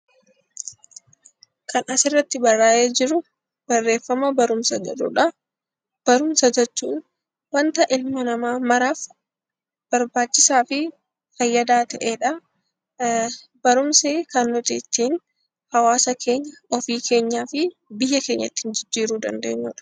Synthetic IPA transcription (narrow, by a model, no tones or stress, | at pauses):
kʰɐnɐsɪrːɐt̪ːɪbɐrːaːjʔeːd͡ʒɪɾʊ | b̥ɐrːe̞ːfːɐmɐbɐɾʊmsɐd͡ʒɛ̰ᶑʊ̰ᶑɐ | b̥ɐɾʊmsɐd͡ʒɛt͡ʃːuːn | wɐnt̪ɐʔɪlmɐnɐmaːmɐɾaːf | b̥ɐɾbaːt͡ʃːɪsaːfɪ | fɐjːɐd̪aːt̪ɐʔeːᶑɐ | bɐɾʊmseːkɐnːɔt̪ɪt̪ːiːn | hɐwaːsɐkʰe̞ːɲːɐɔfiːkʰe̞ːɲːaːfɪ | bɪjːɐke̞ːɲːɐt̪ːɪnd͡ʒɪd͡ʒːiːɾuːd̪ɐ̰nd̪ḛːɲːʊᶑɐ̥